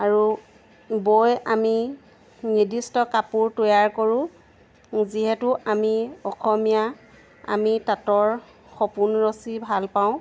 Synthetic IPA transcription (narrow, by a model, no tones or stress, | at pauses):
aɹu | bojami | nidistɔkapuɹtojaɹkoɹʊ̃ | ziɦɛtʊamiɔxʰɔmija | a̰mitatɔɹ | xɔpunɹosibʱalpaʊ̃